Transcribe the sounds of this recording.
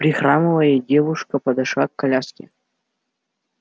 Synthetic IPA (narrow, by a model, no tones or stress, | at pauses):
pɾʲɪxɾamɨvəjədʲevʊʂkəpɐd̪ɐʂlˠakːɐlʲaskʲɪ̰